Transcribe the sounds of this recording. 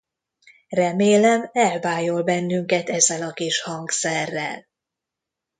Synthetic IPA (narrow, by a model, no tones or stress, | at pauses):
rɛmeːlɛmɛlvaːjo̞lbɛnːyŋkɛt̪ɛzːɛlɒkiʃhɒŋksɛrːɛ̰l